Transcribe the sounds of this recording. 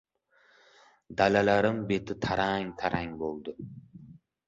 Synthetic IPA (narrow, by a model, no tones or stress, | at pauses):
d̪alalaɾɪmbe̞t̪ʰɪt̪ʰaɾaŋt̪ʰaɾʔaŋbolˠd̪ʊ